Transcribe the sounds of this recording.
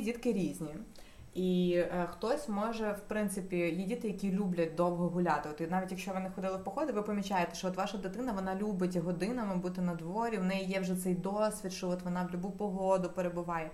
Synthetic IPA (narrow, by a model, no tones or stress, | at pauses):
idʲit̪kɪɾʲizʲnʲi | ixt̪ɔsʲmɔʒɛwpɾɪnt̪sɪpʲijidʲit̪ɪjɐkʲilʲublʲɐt̚ʲd̪ɔwɦɔɦʊlʲat̪ɪɔt̪nɑʋʲitʲjɐkʃt͡ʃɔʋɪnɪxɔd̪ɪlˠɪwpɔxɔd̪ɪʋɪpɐmʲit͡ʃɑjet̪ɛ̥ʃt͡ʃɔɔt̪ʋɑʃɐd̪ɪt̪ɪnɐʋɔnɑlʲubɪtʲɦɔd̪ɪnɐmɪbut̪ɪnɐd̪ʋɔɾʲiʋnɛjijɛwʒɛt̪sɛjd̪ɔsʲʋʲit̪ʃt͡ʃɔɔt̪ʋɔnɑwlʲʊbupɔɦɔd̪ʊpeɾebʊʋɑjɛ